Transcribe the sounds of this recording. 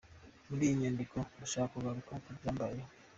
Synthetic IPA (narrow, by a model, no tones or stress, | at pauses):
muɾiɲaːndikʰoβuʃakuβaɾukauɟaːmbaje